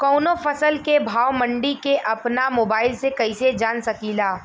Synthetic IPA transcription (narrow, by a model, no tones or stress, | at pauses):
kɔːnofɐsəlkebʱaːwmə̃ɳɖikeʔɐpnamoːbaːɪlsekɐised͡ʒaːnsɐkiːlaː